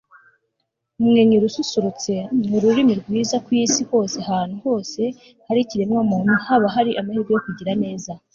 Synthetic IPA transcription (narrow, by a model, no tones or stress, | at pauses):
umŋeɲiɾususuɾut͡se̞uɾuɾimiɾɡwiːzakwujisiho̞ːse̞haːn̥uho̞ːse̞ | haɾiciɾemŋamuːn̥uhaβaɦaɾiʔamahiɾɡujo̞kuɟiɾane̞ːza